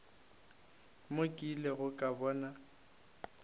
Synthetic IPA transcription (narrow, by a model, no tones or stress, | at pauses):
mokʼileɣʊkʼabɔːna